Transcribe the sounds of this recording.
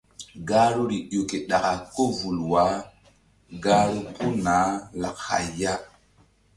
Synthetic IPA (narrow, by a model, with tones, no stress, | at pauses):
ɡaː˦ɾo˦ɾi˨jo˨ke˨ɗa˨ka˨ko˦vu˨lwa˨˦ | ɡaː˦ɾo˦ku˦na˨˦la˨kha̰˨ja˦